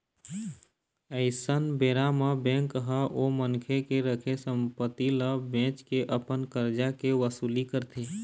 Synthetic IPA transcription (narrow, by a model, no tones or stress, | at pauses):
əɪsənbeɾamebɛ̃ŋkɦəʔomənkʰekeɾəkʰesəmpət̪iləbẽt͡ʃkeʔəpənkəɾd͡ʒakeʋəsuːlikəɾt̪ʰe